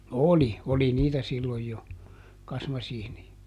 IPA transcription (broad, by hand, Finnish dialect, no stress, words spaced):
oli oli niːtæ silːoj jo kɑsmɑsiːniɑ